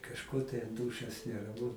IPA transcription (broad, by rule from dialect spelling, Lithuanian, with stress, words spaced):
kɐʃˈkoː tɐɪ ɐnˈduːʃʲoːs nʲɛrɐˈmʊ